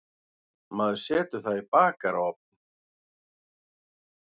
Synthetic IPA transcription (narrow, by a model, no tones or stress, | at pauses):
maːðʏ̥sɛːt̪ʏθaðipaːkaɾawɔp̚nɪ